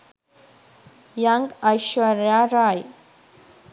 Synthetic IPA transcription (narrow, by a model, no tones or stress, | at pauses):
jaŋɡajɕʋəɾjaɾaj